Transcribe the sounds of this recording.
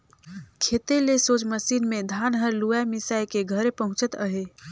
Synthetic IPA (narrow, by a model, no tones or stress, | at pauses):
kʰeːt̪elesoːd͡ʒməsiːnmẽd̪ʱaːnɦəɾluɛmɪsaːjkeɡʱəɾepəɦʊ̃t͡ʃət̪əɦe